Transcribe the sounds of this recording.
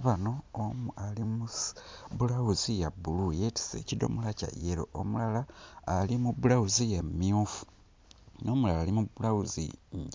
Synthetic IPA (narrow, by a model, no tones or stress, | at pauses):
aβano̞ːmualimuβulawuzijabulujeti̥sḛcido̞̰mulaca̰jeɾo̞̰o̰mulalaːlimuβulawuzijemiufu̥ | no̞ːmulalaːlimuβulawuzḭ